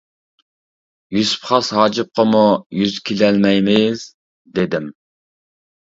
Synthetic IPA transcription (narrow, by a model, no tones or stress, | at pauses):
jyspχɑshɑːd͡ʒɨp̚qʰəmujyzkʲʰilɛlmɛjmɪz̥ | d̪ed̪ɪm